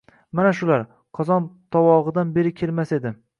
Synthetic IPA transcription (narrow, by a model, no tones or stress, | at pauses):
manaʃʊlaɾ | qʰɒzɒnd̪̥ɒwɒʁɨd̪anbe̞ɾɪkʲʰe̞lmase̞d̪ɪ